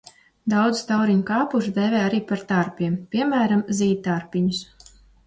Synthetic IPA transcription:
d̪awd̪zst̪awɾiɲkaːpuʒd̪ɛvʲɛːaɾiːpaɾt̪aɾpʲiɛmpʲiɛmæːɾamziːt̪̚ːaɾpʲiɲus

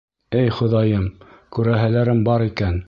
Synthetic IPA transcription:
ɘjχŏðɑjɤmkʉɾæɦælæɾɘmbɑɾikæn

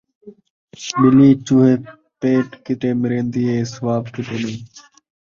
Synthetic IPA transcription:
ɓɪliːt͡ʃuːɦeː | peːʈkɪʈeːmɪɾẽːnd̪iːeːsʋaːbkɪʈeːɗeː

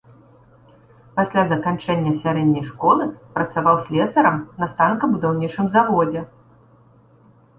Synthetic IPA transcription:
pasʲlʲazɐkant͡ʂɛnʲːɐsʲaɾɛd̪ʲnʲɐjʂkɔlˠɨpɾɐt̪savawsʲlʲɛsɐɾɐmnɐst̪ankɐbud̪awnʲit͡ʂɨmzavɔd͡zʲɛ

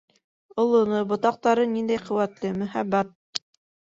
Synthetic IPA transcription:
olˠŏnɤbŏt̪ɑq̚t̪ɑɾɤnind̪æjqɵ̆wæt̪lɘmɵ̆χæbːæt̪̚

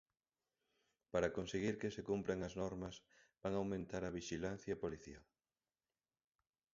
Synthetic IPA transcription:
paɾɐkonseɣiɾkesekumpɾɐŋɐznɔɾmɐs | baŋawmẽnt̪aɾɐβiʃilan̟θjɐepoliθḭa

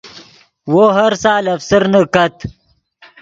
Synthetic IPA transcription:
woɦɐɾsaːlɐfsəɾnəkɐt̪

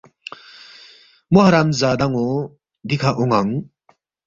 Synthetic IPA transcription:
mɔɦaɾamzad̪aŋɔ | d̪ikʰaʔɔŋaŋ

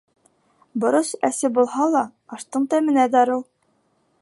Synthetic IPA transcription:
bŏɾɤsæsɘbulˠhɑlˠɑɑʃt̪ɤɴt̪ɑjmɘ̆næd̪ɑɾɤw

